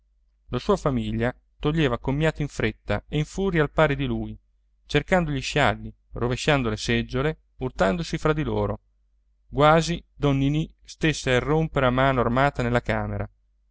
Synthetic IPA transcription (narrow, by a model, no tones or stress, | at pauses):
lasuːafamiʎːa | t̪oʎːeːvakomːjaːt̪oiɱfɾet̪ːa̰eiɱfuːɾjialpaːɾed̪iluːj | t͡ʃerkand̪oʎiʃalːi | roveʃːand̪olesɛd͡ʒːole | urt̪and̪osifɾad̪ːiloːɾo | ɡwaːzid̪ɔnːinist̪esːeairːompeɾeamaːnoarmaːt̪anelːakaːmeɾa